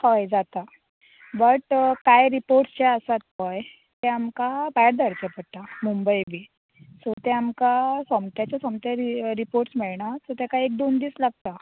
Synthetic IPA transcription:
kɔjd͡zat̪a | bəʈkajɾipoɾʈst͡ɕaəsat̪ɦɔj | t̪ɛamkabajeɾd̪ʱəɾt͡ɕapəɽt̪amumbəjbiː | sɔt̪ɛamkasəmt̪jat͡ɕjasɔmt̪aɾiɾipoɾʈsmɛɭɳat̪ɔt̪jakaek̚d̪ond̪iːslaɡ̚t̪a

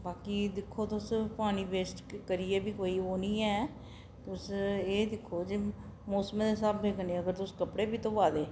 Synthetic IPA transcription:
baːkiːd̪ɪkʰːoːt̪ʊspaːñiːbeːsʈkəɾijɛːbiːkoːiːoːnĩːɛː | t̪ʊseːd̪ɪkʰːoːd͡ʒeː | moːsmd̪eːsaːbbeːkʰəneːəɡəɾt̪ʊskəpɽeːbiːt̪õːʋaːd̪eː

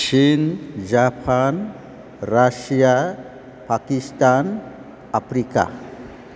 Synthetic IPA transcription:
ʃind͡ʑapʰan | ɾaʃija | pakist̪an | apɾika̰

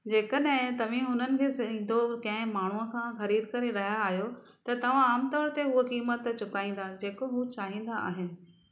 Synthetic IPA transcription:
d͡ʑeːkəɗɦɪ̃t̪ɐʋ̤ɪ̃ɦʊn̤ənɪ̆kʰeːsɐĩːn̆d̪okɐ̃ɦɪ̃maːɳ̤uəkʰãːxɐɾiːd̪kɐɾeɾɐɦijaːɦjo | t̪ɐt̪ɐʋ̤ãaːmt̪ɔːɾt̪eɦuəkiːmət̪t͡ɕʊkaːĩːn̆d̪ad͡ʑeːkoɦut͡ɕaːɦĩːn̆d̪aa̰ːɦɪnɪ̆

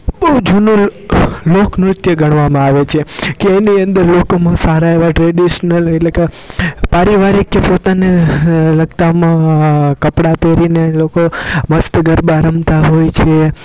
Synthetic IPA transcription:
bəud͡ʒunõ | loknɾʊt̪jəɡʱəɳ̃ʋamãaʋet͡ʃʰekeːniə̃nd̪əɾlokomãsaɾaeʋaʈɾeɖiʃnəleʈleke | paɾiʋaɾikːepot̪aneləɡt̪amãkəpɽat̪ʰeɾinelokoməst̪əɡəɾbaɾəmt̪aɦojt͡ʃʰe

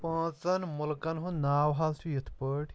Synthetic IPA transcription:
pãːt͡sɐnmulkɐnɦũnaːwɦalsʰujɐt̪ʰpəʈ

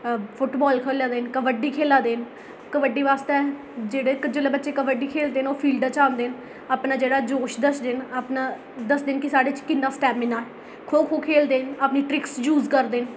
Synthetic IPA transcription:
pʰʊʈbɔːlkʰəːljãːd̪eːnkəʋəɖiːkʰeːlãːd̪eːn | kəʋəɖiːʋaːst̪eː | d͡ʒeːɽeːkəd͡ʒəleːbətːʃeːkəʋəɖiːkʰeːld̪eːnoːpʰiːlɖaːt͡ʃãːnd̪eːn | aːpnaːd͡ʒeːɽaːd͡ʒoːʃd̪əsd̪eːnaːpnaː | d̪əsd̪eːnkɪsaːɖeːt͡ʃkɪnːaːsʈɛːmɪnaːɛː | kʰoːkʰoːkʰeːld̪eːnaːpniːʈɾɪksjuːzkəɾd̪eːn

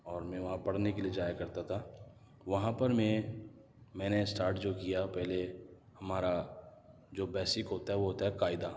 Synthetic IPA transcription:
ɔːɾmɛ̃ːʋɐɦãpɐɽnekelied͡ʒaːjakɐɾt̪at̪ʰa | ʋɐɦãpɐɾmẽ | mɛ̃ːnesʈaːɾʈd͡ʒoːkijapɛɦle | hɐmaːɾa | d͡ʒoːbɛːsɪkɦoːt̪aɦɛʋoɦoːt̪aɦɛkaːɪd̪aː

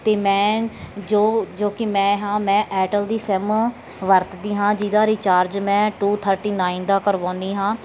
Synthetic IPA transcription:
t̪eːmɛ̃ːd͡ʒoːd͡ʒoːkɪmɛ̃ːɦãːmɛ̃ːʔɛːʈəld̪iːsɛːm | ʋəɾt̪d̪iːɦãːd͡ʒiːd̪ãːɾiːt͡ʃaːɾd͡ʒmɛ̃ːʈuːt̪ʰəɾʈiːnaːɪnd̪aːkəɾʋãːnd̪iːɦãː

